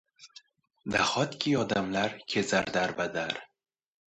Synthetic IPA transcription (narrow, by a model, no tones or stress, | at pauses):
d̪aχɒt̪kʲʰiɒd̪amlaɾkʲʰezaɾd̪aɾbad̪aɾ